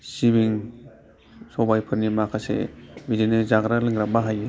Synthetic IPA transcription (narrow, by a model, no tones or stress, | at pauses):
sibiŋ | sɔbajpʰɯɾnimakʰasḛbidinɯzaɡɾalɯŋɡɾak̚baɦaje